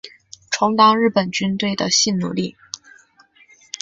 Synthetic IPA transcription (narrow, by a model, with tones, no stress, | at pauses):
ʈ͡ʂʰʊ˧˥ŋt̪ɑ˥ŋɻɻ̩˥˩pə˨˩nt͡ɕy˥nt̪we˥˩ɪd̪ə˩ɕi˥˩nnṵ˨˩li˥˩